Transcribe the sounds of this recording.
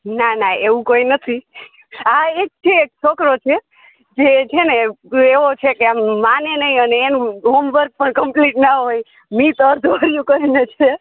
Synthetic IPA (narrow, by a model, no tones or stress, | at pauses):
nanaeũkoinət̪ʰi | aek̚t͡ʃʰeːk̚t͡ʃʰokɾot͡ʃʰe | d͡ʒet͡ʃʰene | eʋot͡ʃʰekeamːanenəĩəneenuɦomʋəɾɡ̚pəɳkəmpliʈnaɦoj | mit̪əɾd̪ʱʋaɾijũkəɾinet͡ʃʰe